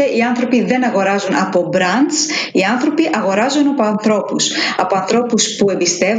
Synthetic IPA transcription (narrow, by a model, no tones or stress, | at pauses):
eʔiɐnθɾo̞piðe̞nɐɣo̞ɾɐzunɐ̰po̞bɾɐnd̪siɐnθɾo̞piʔɐɣo̞ɾɐzunɐpo̞ɐnθɾo̞pusɐpo̞ɐnθɾo̞puspue̞mbist̪e̞v